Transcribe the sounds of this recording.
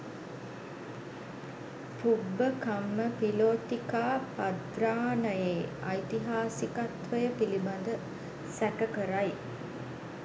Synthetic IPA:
pubːəkamːəpiloːt̪ikaːpad̪ɾaːnəjeːɐjt̪iɦaːsikat̪ʋəjəpilibɐnd̪ə | sækəkəɾaj

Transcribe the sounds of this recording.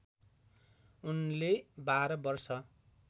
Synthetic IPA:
unlebaɾʌbʌrsʌ

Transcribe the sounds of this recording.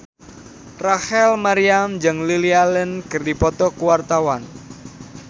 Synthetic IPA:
rahɛlmaɾiamd͡ʒɨŋlilialənkɨrdipɔt̪ɔkuwart̪awan

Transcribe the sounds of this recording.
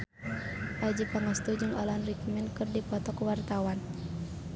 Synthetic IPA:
ʔad͡ʒipaŋast̪ud͡ʒɨŋɔlanrikminkɨrdipɔt̪ɔkwart̪awan

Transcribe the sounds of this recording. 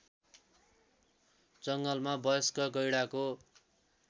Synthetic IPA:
t͡sʌŋɡʌlmabʌjʌskʌɡʌjɽako

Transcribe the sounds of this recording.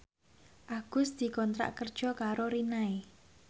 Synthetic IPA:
ʔaɡ̥ʊsd̪̥i̤kɔnt̪ɾa̰ʔkərd̥ʒ̥ɔ̤kaɾoɾinae

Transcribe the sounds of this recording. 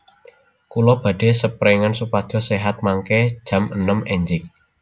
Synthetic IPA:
kulɔb̥ä̤ɖ̥e̤səpɾeŋansupad̥ʒ̥ɔ̤seɦat̪̚maŋkɛd̥ʒ̥ä̤mənəmɛɲd͡ʒɪk̚

